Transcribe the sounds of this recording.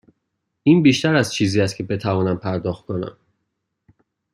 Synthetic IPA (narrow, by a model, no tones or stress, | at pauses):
ʔiːnbiːʃt̪æɾæzt͡ʃʰiːziːjæst̪̚cʰe̞be̞t̪ʰævɒːnæmpʰæɾd̪ɒːxt̪̚kʰo̞næ̰m